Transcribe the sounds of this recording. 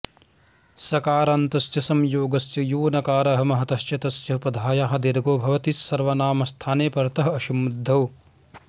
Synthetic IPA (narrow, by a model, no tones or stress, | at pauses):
sɐkaːɾaːnt̪ɐsjɐsɐmjoːɡɐsjɐjoːnɐkaːɾɐɐɦɐmɐɦɐt̪ɐʃjɐt̪ɐsjɐpɐd̪ʱaːjaːɦɐ̆d̪iɾɡoːbʱɐʋɐt̪isːɐɾʋɐnaːmɐst̪ʰaːneːpɐɾɐt̪ɐɦɐɐʃumud̪ʱːɐʋ